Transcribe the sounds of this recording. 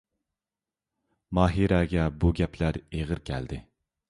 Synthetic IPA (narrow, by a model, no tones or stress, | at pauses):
mɑːɦiɾɛɡʲɛbuɡʲɛpʰlæɾeʁəɾkʲʰɛ̰ld̪ɪ